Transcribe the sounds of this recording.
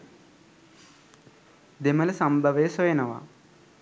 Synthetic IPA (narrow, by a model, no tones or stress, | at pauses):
d̪imɐlɐsɐmbʱɐʋeːsojɐnɐʋa̰